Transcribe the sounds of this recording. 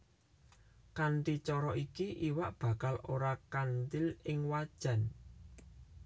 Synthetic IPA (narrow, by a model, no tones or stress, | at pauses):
kanʈit͡ʃɔɾɔʔikiʔiwaʔb̥ä̤kaloɾakant̪ɪlɪŋwad̥ʒ̥a̤n